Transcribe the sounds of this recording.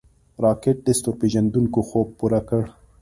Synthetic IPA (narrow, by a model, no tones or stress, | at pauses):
ɾɑkeʈ̚ɖɪst̪opeʒand̪uŋkoxob̚puɾakəɽ